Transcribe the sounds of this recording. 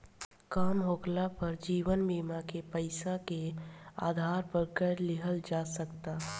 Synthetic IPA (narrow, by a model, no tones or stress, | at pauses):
kaːmɦoːklapəɾd͡ʒiːʋənmiːmakepəɪsakea̰ːd̪ʱaːɾpəɾkəɾlɪɦəld͡ʒaːsəkt̪a